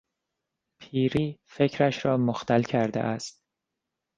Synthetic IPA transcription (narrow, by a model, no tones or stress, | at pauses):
pʰiːɾiːfe̞cʰɾæʃɾɒːmoxt̪ʰælcʰæɾd̪ḛʔæst̪̚